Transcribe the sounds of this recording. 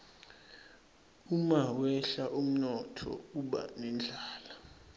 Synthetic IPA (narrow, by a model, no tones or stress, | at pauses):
umawɛɬaʔum̩nɔtʰɔ̰k̬uɓa̰nɛnd͡ɮʱaːla